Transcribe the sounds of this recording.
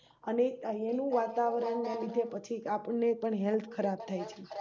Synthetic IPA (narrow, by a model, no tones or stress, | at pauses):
əneenũʋat̪aʋəɾəɳːelid̪ʱepət͡ʃʰiapəɳːepəɳɦɛlt̪ʰkʰəɾab̚t̪ʰajt͡ʃʰe